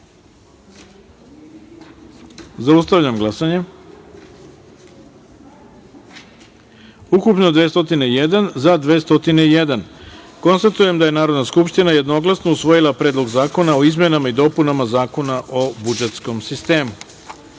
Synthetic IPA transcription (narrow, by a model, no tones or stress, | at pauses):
zaust̪aʋʎamɡlasaɲe | ukupno̞d̪ʋeːst̪o̞t̪ine̞ijed̪anzad̪ʋe̞ːst̪o̞t̪ine̞ije̞d̪anko̞nst̪at̪uje̞md̪aje̞naːɾo̞d̪naskupʃt̪inaje̞d̪no̞ɡlˠasno̞usʋo̞jilˠapɾe̞ːd̪lo̞ɡzaːko̞nao̞izme̞namaid̪o̞ːpunamazaːko̞naʔobud͡ʒet̪sko̞msist̪e̞ːmu